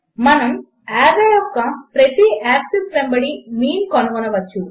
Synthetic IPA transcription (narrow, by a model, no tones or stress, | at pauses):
mɐnɐm | aːɾɐjɔfkɐpɾɐt̪iaːksisɾɐmbɐɽimiːnkɔnɐɡɔnɐʋɐt͡ʃːu